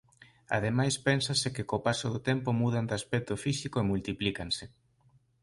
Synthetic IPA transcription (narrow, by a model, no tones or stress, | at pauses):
a̰ð̞emajspɛnsasɪkɪkopasoðʊt̪ɛmpomuð̞and̪aspɛk̚t̪ofisikoemult̪iplikansɪ